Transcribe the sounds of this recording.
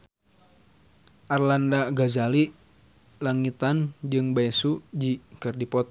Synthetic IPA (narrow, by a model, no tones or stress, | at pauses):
ʔarlandaɡazali | laŋit̪and͡ʒɨŋbaɛsud͡ʒikɨrdipɔt̪̚